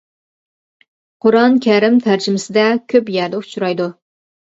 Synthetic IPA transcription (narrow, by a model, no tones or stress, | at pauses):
qʰʊɾɑnkʲʰɛɾɪmt̪ʰæɾd͡ʒɪmɪsɪd̪ɛkʲʰøpjæɾd̪ɛu̥t͡ʃʰuɾɑjd̪u